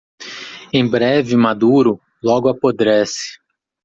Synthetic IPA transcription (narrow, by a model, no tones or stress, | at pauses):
ẽj̃bɾɛvɪmad̪uɾʊ | lɔɡʊapod̪ɾɛsɪ̥